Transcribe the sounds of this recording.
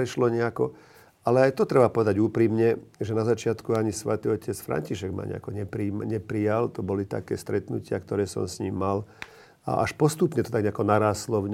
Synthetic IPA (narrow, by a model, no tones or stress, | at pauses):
ɾɛʃlɔɲɛakɔ | alɛajt̪ɔt̪ɾɛbapɔʋɛd̪aɟuːpɾiːmɲɛʒɛnazat͡ʃɪat̪kuaɲisʋɛt̪iɔcʰɛt͡sfɾa̰ɲciʃɛɡma̰ːɲɛ̰a̰kɔɲɛpɾiːmɲɛpɾijalt̪ɔbɔlit̪a̰kɛ̰ːst̪ɾɛt̪nucɪa̰kt̪ɔɾɛːsɔ̰msɲimːal | a̰ʔaʃpɔst̪upɲɛt̪ɔt̪aɡɲɛakɔnaɾaːslɔɲ